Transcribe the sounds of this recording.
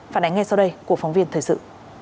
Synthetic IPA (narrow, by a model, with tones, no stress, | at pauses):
faː˧˩nʔa˨˦ŋŋɛ˧sa˧wɗə˧jku˧˩əkfa˨˦wŋ͡mvi˧ənt̪ʰəː˨˩sɨ̰˧˨